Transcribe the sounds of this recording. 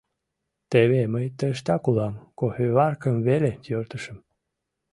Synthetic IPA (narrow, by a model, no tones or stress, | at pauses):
t̪eβeməjt̪ːəʃt̪ɑkulɑmkohøvɑrkə̆mvelet̪jørt̪əʃə̆m